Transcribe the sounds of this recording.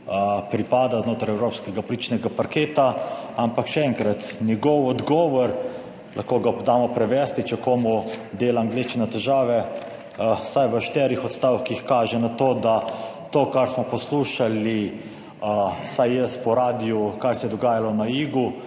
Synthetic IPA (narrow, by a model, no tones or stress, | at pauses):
pɾipaːd̪aznoːt̪ɾajɛwɾoːpskɛɡapɔlit͡ʃnɛɡapaɾkeːt̪aampakʃɛɛŋkɾat̪nʲjɛɡɔwɔd̪ɡɔːʋɔɾ | lʔaxkoːɡad̪aːmɔpɾɛʋɛst̪it͡ʃɛkomɔd̪eːlaːŋɡlet͡ʃnɛt̪ɛʒaːʋɛ | sajʋəʃt̪ɛːɾixɔt̪st̪aːwkixkaːʒɛnat̪oːd̪at̪oːkaɾsmɔpɔsluːʃali | əsajjəst̪pɔɾaːd̪ijukajsɛjɛd̪ɔɡaːjalɔnaiːɡu